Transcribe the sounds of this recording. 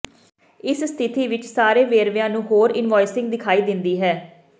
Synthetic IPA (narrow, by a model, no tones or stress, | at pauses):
ɪsst̪ʰɪt̪iːʋɪt͡ʃsaːɾeːʋeːɾʋɪjãːnũːɦoːɾɪnʋɔːɪsɪ̃ŋɡd̪ɪkʰaːiːd̪ɪnd̪iːɦɛː